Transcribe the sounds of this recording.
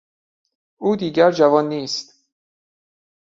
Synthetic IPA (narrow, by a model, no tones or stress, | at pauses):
ʔuːd̪iːɟæɾd͡ʒævɒːnːiːst̪